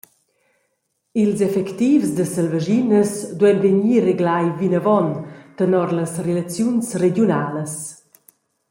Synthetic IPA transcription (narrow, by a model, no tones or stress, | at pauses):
ilzɛfɛkt̪ifsd̪əsəlvəʒinəsd̪uɛnveɲiːreɡlajvinəvɔnt̪ənɔɾləsrelat͡sjunsredjunaːləs